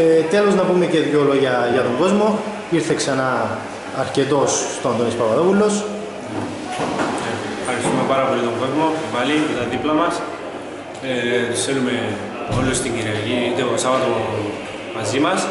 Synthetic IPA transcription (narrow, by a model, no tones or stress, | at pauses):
t̪e̞lo̞znɐpume̞ce̞ðʝoloʝɐʝɐt̪o̞ŋɡo̞zmo̞ | iɾθeksɐnɐː | ɾce̞t̪o̞sːt̪oɐnd̪onispɐvɐðo̞pulo̞s | efxɐɾist̪ume̞paɾɐpo̞liɐt̪o̞ŋɡo̞zmo̞pɐlicet̪ɐðiplɐmɐs | eselume̞ | olost̪iɲɟiɾiɐʝiit̪eosɐvɐt̪o̞ | mɐzimɐs